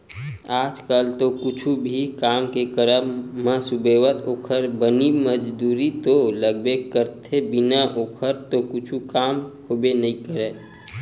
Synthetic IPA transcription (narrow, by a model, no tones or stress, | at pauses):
aːd͡ʒkalt̪okʊt͡ʃʰubʱikaːmkekəɾəmːãsʊbeːwət̪oːkʰəɾbəniməd͡ʒd̪uːɾit̪oləɡbekəɾt̪ʰebɪnaʔoːkʰəɾt̪okʊt͡ʃʰukaːmhoːbenəĩkəɾeː